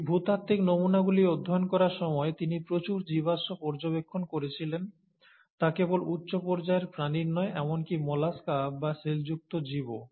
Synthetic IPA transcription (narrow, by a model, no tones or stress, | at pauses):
bʱut̪at̪ːiknomunaɡuliod̪ʱːoonkɔɾaɾʃɔmɔet̪inipɾot͡ɕuɾd͡ʑiβaʃopɔɾd͡ʑobekʰːonkoɾet͡ɕʰilen | t̪akebolutːɕopɔɾd͡ʑaeɾpɾaniɾnɔeʔɛmonkimɔlaskabaʃeld͡ʑuk̚t̪od͡ʑibo